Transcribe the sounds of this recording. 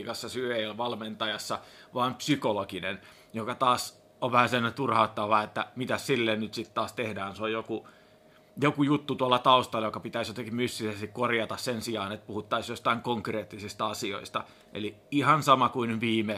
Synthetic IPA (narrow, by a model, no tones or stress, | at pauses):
kɑsːɑsyøeiolʋɑlment̪ɑjɑsːɑʋɑːmpsykolokinen | jokɑt̪ɑːs | oʋʋæhæsemnet̪urhɑut̪ːɑʋɑet̪ːæmit̪æssilːennyt̪sit̪t̪ɑːst̪ehdæːnsojjoku | jokujut̪ːut̪uɑlːɑt̪ɑust̪ɑlːjokɑpit̪æisjot̪eŋkimysːisest̪ikkorjɑt̪ɑssensiɑːnet̪̚puhut̪ːɑisjost̪ɑiŋkoŋkreːt̪ːisist̪ɑɑsio̰ist̪ɑ | ʔḛliihɑnsɑmɑkuinʋiːme